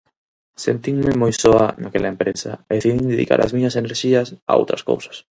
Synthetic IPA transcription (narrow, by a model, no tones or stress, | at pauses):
sent̪iŋmɪmojsɔanakelɐempɾesɐeðeθiðiŋd̪eðḭka̰ɾɐ̰zmiɲɐseneɾʃiɐsa̰o̰wt̪ɾɐsko̰wsḁs